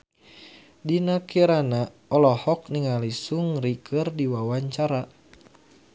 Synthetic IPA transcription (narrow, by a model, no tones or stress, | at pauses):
dinakiɾana | ɔlɔhɔk̚niŋalisuŋrikɨrdiwawaɲt͡ʃaɾa